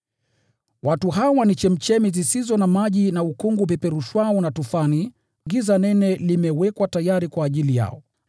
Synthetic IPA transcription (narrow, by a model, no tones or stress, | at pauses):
watuɦawanit͡ʃɛm̩t͡ʃɛmizisizɔnamaʄinaukuŋɡupɛpɛɾuʃwaɔnatufani | ŋɡizanɛnɛlimɛwɛkwatajaɾikwaːʄilija̰ɔ